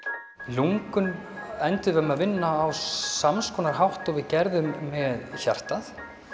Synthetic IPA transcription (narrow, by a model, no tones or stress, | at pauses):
luŋkʏnɛnt̪ʏðvœmaðvɪnːaːwsamskɔːnaɾ̥ɦawht̪ɔvɪðcɛɾðʏmːɛðçar̥t̪aθ